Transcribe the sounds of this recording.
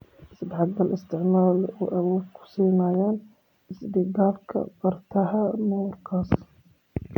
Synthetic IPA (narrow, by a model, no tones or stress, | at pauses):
ɪsbʕɑd̪d̪ɐlʔɪst̪ʰɪʕmaːluʔawɔːd̪kʰʊ̥siːnajaːn | ɪsd̪iɡaːlkʰɐ̰bɐrt̪ʰɐɦɐnuːrkʰaːs